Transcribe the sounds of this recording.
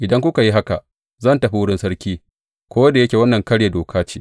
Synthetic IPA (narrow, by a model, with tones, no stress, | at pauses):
ʔɪ˨dɐ˦ŋkʷʊ˦ka˨ji˦ɦa˦ka˨ | zɐ˦˨ntɐ˨ɸi˦wʊ˦ɽɪ˦nsɐ˦ɽkʲiː˦ | kʷoː˦wɐ˦da˨jɐ˦kʲe˨wɐ˦nːɐ˨ŋkɐ˦ɽje˨doː˨kʰaː˦t͡ʃiː˦